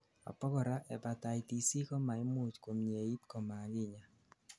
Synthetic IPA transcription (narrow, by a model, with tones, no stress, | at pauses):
a̰˨pɔ˦kɔ˨ɾa˦ʔɛ˨pa˨ta˨i˨ti˨si˦kɔ˦ma˨ɪ˦mʊ˦˨t͡ʃko˨mɲe˨i˦tkɔ˨ma˨ɡɪ˦˨ɲa˨